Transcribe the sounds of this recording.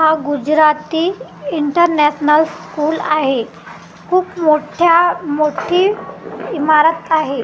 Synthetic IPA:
ɦaɡud͡ʑɾat̪iːiɳʈəɾnɛɕnəlskuːla̰ɦe | kʰuːpmoʈʰjamoʈʰiːimaɾət̪aɦe

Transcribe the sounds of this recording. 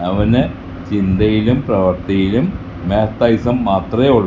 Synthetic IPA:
ɐʋɐnɨ | t͡ɕind̪ɐjilumprɐʋɐrt̪ɐjilumː | eːt̪ːɐjsɐmːaːt̪rɐoɭ

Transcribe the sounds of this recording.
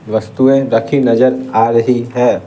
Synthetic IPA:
ʋɐst̪uẽɾɐkʰinɐd͡ʒəɾaːɾəɦiɦɛː

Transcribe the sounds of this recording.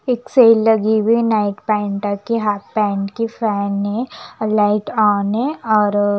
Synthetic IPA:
ekseːlːɐɡiwinaɪʈpɛ̃ːɳʈakiɦapɛ̃ːɳʈkifɛːnɦẽlaɪʈaːnɦɛ̃ɔːɾ

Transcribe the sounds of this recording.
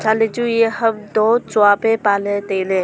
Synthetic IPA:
t͡ʃaːled͡ʒujehəbd̪oːt͡ʃʊaːpepaːlet̪eːlẽ

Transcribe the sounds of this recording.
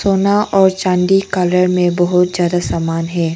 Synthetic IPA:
soːnaʔɔːɾt͡ʃãːɳɖikaləɾmẽbɐɦʊt̪z̥jaːd̪asaːmaːnɦɛː

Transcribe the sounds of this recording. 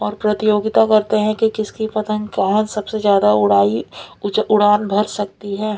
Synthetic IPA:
ɔːɾpɾɐt̪ijoːɡɪt̪akɐɾt̪eɦɛ̃kikɪskipɐt̪ə̃nkaɦənsɐbsezjaːd̪aʊɽaːi | ʊɽaːnbʱɐɾsɐk̚t̪iɦɛː

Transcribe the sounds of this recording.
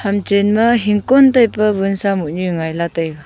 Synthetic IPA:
hamt͡ʃenmɐɦiŋkɔntajpɐbɯnsamuʔɲuŋajlatajɡa

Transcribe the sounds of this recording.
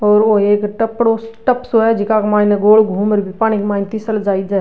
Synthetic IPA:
ɔːɾoeːkʈəpɽosʈəpsoɦɛd͡ʒɪkakmaːɪneɡoːlɡʱuːməɾbʱipaːñikmaːnt̪isəld͡ʒaːid͡ʒa

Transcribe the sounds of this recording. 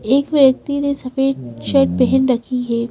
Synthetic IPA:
eːkʋjək̚t̪inesɐfeːɾʃɛːʈ̚bɛɦɛ̃nɾɐkʰiɦɛː

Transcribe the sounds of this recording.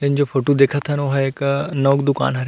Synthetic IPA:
lɪnd͡ʒoːpʰoːʈud̪eːkʰət̪ɦənoːɦɛeːknɔːkd̪ʊka̰ːnɦɐɾ

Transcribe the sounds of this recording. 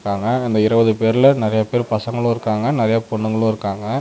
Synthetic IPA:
kːaːŋɡɐɪnd̪ɐɪɾɐʋɐðɯpeːɾɪlɐnɪɾɐjapeːɾpɐsɐŋɡɐɭʊ̃ɪɾɯkːaːŋɡɐnɪɾɐjapɔɳːɯŋɡɐɭʊ̃ɪɾɯkːaːŋɡɐ

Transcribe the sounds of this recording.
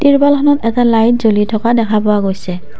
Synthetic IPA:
tiɹbalxʰɔnɔtɛtalajt̚zolitʰɔkadɛkʰapɔwaɡojsɛ

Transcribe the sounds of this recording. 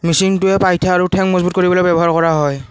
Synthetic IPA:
misiŋtʊɛpajtʰaːɹutʰɛŋmɔzbut̚koɹibɔlɔjbɛbɔɦaɹkɔɹaɦɔj

